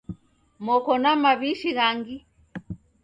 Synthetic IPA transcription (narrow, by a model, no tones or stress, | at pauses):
mɔkɔnamaβiʃiɣaŋɡi